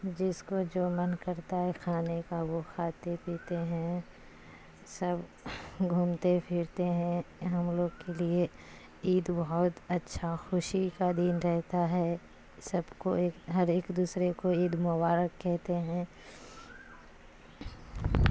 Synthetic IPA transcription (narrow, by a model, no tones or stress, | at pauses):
d͡ʒɪskod͡ʒoːmɐnkɐɾt̪aɦɛkʰaːnekaʋoxaːt̪epiːt̪eɦɛ̃ | sɐbɡʱuːmt̪epʰɪɾt̪eɦɛ̃ɦɐmloːɡkelie | iːd̪bɐɦʊt̪ɐtːʃʰaxʊʃikad̪iːnɾɛɦt̪aɦɛ | sɐbkoeːkɦɐɾeːkd̪uːsɾekoiːd̪mʊbaːɾəkːɛɦt̪eɦɛ̃ː